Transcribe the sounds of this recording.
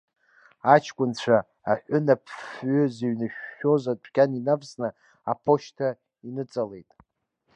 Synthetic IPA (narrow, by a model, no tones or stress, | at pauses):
at͡ʃʰkʷʼʊnt͡ɕʷʰaː | ħʷᶣʊnapʰfɥʏzeɥnɨʃᶣːo̞zatʷʼʰkʲʼaninapʰsnɨ | apʰo̞ʃtʰa | inɨt͡sʼale̞jtʼ